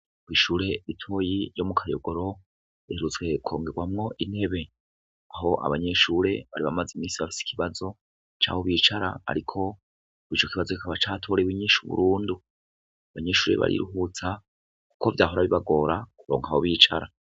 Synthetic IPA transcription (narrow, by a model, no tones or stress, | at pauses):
kwiːʃuːɾe̞itʰo̞jiɾjo̞mukʰajoɡo̞ɾo̞ | iheɾut͡swe̞kʰo̞ːŋɡe̞ɡwamŋo̞ʔinhe̞βe̞ | aɦo̞ʔa̰βaɲe̞ːʃuːɾe̞βaɾiβamazimiːsiβafi̥si̥kʰiβazo̞ | t͡ʃa̰ːho̞βiːt͡ʃaɾa̰a̰ɾikʰo̞ | it͡ʃo̞kiβazokikaβat͡ʃaːtʰo̞ːɾeβwiɲiːʃuβṵɾuːndu | aβaɲe̞ːʃuːɾe̞̰βa̰ɾʔḭɾuhɦut͡sa | ku̥ko̞vjaːɦoɾaβiβaɡo̞ːɾakuɾo̞ːŋɡaho̞βiːt͡ʃaɾa